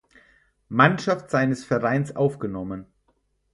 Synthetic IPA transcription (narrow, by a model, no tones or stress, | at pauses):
manʃaftz̥aɪnəsfɛɐʁaɪnsʔaʊfɡ̥ənɔmən